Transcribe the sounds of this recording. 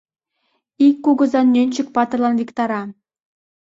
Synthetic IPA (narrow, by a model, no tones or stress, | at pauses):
ikːuɣɤ̆zɑnːʲønʲt͡ɕɘ̆k̚pɑt̪ɤ̆rlˠɑnvʲikt̪ɑɾɑ